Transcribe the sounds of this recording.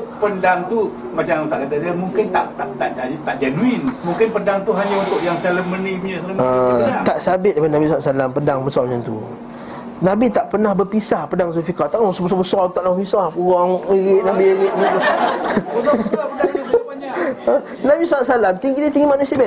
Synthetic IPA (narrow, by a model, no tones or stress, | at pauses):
pəndaŋt̪u | mat͡ʃaŋt̪aʔkad̪adamuŋkɪnt̪aʔt̪at̪aʔat̪aʔd͡ʒanuɪnmuŋkɪnpəndaŋt̪uɦaɲaunt̪ʊʔjaŋsaləməniɲasləməat̪aʔsabɪt̪̚dapadnabisaŋaʔsalampədaŋbəsɔmat͡ʃant̪ṵ | nãbit̪aʔpərnahbərpisahpədaŋs̬ofikat̪aʔəsɔbəsɔbəsɔt̪aʔlamkisɔhpuɾɔŋiɣɪʔnabiiɣɪʔ̪̚t̪u | ə | nabisaŋaʔsalamt̪iŋid̪it̪iŋɡimanusiabɛ